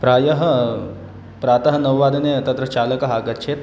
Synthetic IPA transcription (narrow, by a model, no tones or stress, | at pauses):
pɾaːjɐɦə | pɾaːt̪ɐɦɐnɐʋʋaːd̪ʱɐnet̪ɐt̪ɾɐt͡ʃaːləkɐɦaːɡɐt̪̚t͡ʃʰeːt̪